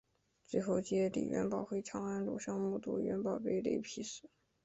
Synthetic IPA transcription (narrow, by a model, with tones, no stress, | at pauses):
t͡swe˥˧ɪxo˥˧ʊt͡ɕi˥ɛ˥˩lḭ˨˩ɥɛ̰˧˥npɑ˨˩ʊxwe˥ɪʈ͡ʂʰjɑ˥ŋa˥nlṵ˨˩ɕjɑ˥˧ŋmu˥˩t̪ṵ˥˩ɥɛ˧˥npɑ˨˩ʊpe˥˧ɪlḛ˥˧˩ɪpʰi˧˥ʂɹ̩˨˥˦